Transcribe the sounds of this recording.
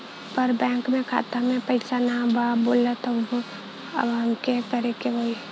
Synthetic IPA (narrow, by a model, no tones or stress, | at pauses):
pəɾbɛ̃ːŋkmẽkʰa̰ːt̪amẽpəɪsanababoːlət̪əbɦõ | ə̰bɦəmkekəɾekeɦoːi